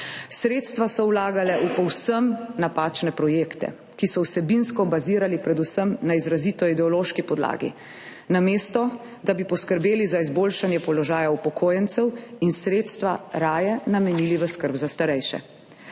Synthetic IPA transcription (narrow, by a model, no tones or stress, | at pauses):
sɾeːt̪st̪ʋasɔwlaːɡalɛʔupɔwsəmnapat͡ʃnɛpɾɔjeːkt̪ɛ̰ | kisɔwsɛbinskɔbaziːɾalipɾɛd̪usəmnaizɾaziːt̪ɔid̪ɛɔloːʃkipɔd̪la̰ːɡḭ | nameːst̪ɔ | d̪abipɔskəɾbeːlizaizboːlʃanjɛpɔlɔʒaːjaupɔkʰoːjɛnt̪sɛwinsɾeːt̪st̪ʋaɾaːjɛnamɛniːliʋəskəɾbzast̪aɾɛjʃɛ̰